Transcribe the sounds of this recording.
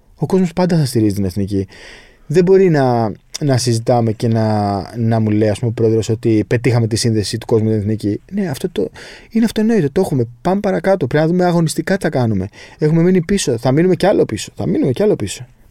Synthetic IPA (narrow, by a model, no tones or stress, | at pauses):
o̞ko̞zmo̞spɐnd̪ɐθɐst̪iɾizit̪ine̞θnici | ðe̞bo̞ɾinɐnɐsizit̪ɐme̞ce̞nɐnɐmule̞iɐspumeo̞pɾo̞e̞ðɾo̞so̞t̪ipe̞t̪ixɐme̞t̪isinðe̞sit̪u̥ko̞zmust̪ineθnicine̞ɐft̪o̞t̪oineɐft̪oeno̞it̪e̞t̪oe̞xume̞pɐnopɐɾɐkɐt̪o̞pɾinɐðume̞ɐɣo̞nist̪ikɐθɐkɐnume̞e̞xumeminipiso̞θɐminume̞ceɐlo̞piso̥θɐ̰minume̞ceɐlo̞piso̞